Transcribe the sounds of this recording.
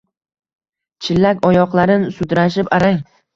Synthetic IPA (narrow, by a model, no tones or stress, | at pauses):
t͡ʃʰɪlːakʲɒjɒqlˠaɾɪnsʊd̪ɾaʃɪpaɾaŋ